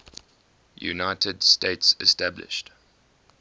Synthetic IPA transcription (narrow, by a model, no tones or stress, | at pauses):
jṵnaɪtʰəd̥steɪtsɛ̰stæblɪ̰ʃt